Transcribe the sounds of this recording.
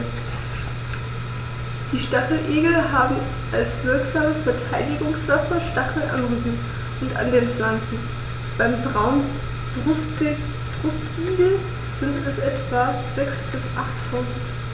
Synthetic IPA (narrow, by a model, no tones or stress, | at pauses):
d̥iːʃtaχl̩ʔeːɡl̩ɦaːbm̩ | ʔalsv̥ɪɐkz̥aːməfɛɐtʰaɪdɪɡʊŋsv̥afɐʃtaχl̩ʔa̰nʁyːbm̩ | ʔʊntʔa̰ndeːnfl̥ankn̩ | b̥aɪmbʁaʊn̥ | ʁʊstɪ | b̥ʁʊstiːɡl̩ | z̥ɪntɛsʔɛtv̥a | z̥ɛksb̥ɪsʔaχtʰːaʊzn̩t